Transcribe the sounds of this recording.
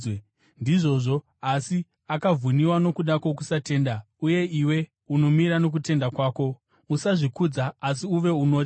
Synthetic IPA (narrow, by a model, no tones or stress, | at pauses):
ndiʐo̞ʐo̞ | asi | akab͡vuniwano̞kuɗako̞k̬usate̞ːnda | uje̞iwe̞ | uno̞miɾano̞k̬ute̞ndakwaːko̞ | usaʐikud͡zaːs̬iuʋe̞uno̞ːti